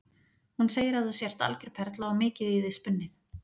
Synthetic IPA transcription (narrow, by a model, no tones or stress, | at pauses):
hunseːjɪɾaðθusjɛr̥t̪a̰lcʏɾ̥pʰɛɾt̪laɔmɪːcɪðiðɪspʏnːɪθ